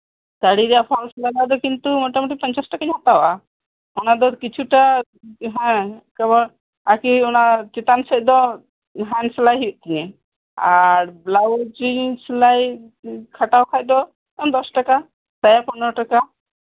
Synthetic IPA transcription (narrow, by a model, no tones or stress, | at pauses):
t͡ʃaɽiɾɛjapʰɔlslabad̪ɔkint̪umɔʈamuʈipaɲt͡ʃasʈakaɲat̪awʔa | ɔnad̪ɔkit͡ʃʰuʈa | ɦɛ̃kabɔɾ | akiɔnat͡ʃit̪ansɛc̚ˀd̪ɔ | ɦanslajɦijuʔt̪iɲɛ | aɾblawd͡ʒislaj | kʰaʈawkʰac̚d̪ɔ | ɔmd̪ɔsʈaka | sajapɔnɔɾʈaka